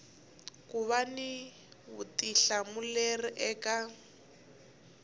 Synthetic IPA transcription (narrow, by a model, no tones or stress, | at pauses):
kuβani | βutʼiɬamuleriʔɛːka